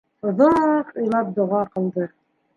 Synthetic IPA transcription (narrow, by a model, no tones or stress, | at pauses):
ŏðoqɤ̆jlˠɑp̚d̪ŏʁɑqɤ̆lˠd̪ɤ